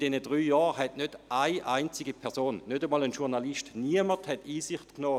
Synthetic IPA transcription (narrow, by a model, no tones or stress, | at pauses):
d̥ɛnədʁyːjɑːʁɦɛtnødaɪʔaɪnt͡sɪɡipʰɛɐsoːnːøtəmɑːlənʃuɐʁnaliʃtniəməthɛtiːsɪχtknɔː